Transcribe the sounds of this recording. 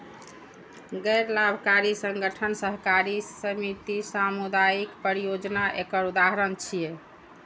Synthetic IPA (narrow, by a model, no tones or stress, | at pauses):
ɡɛɾlabʱkaɾisəŋɡəʈʰənsəɦkaɾisəmit̪isamud̪ajikpəɾijod͡ʒnaʔekəɾud̪aɦɾənt͡ʃʰije